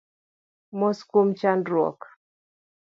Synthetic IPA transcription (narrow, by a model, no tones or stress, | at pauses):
mɔskumt͡ʃandɾwɔ̰k